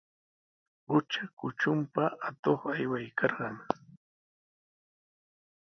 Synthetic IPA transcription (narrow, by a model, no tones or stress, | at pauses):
ʊt͡ʃakʊt͡ʃʊmpaat̪oχajwajkʰɑɾɢɑŋ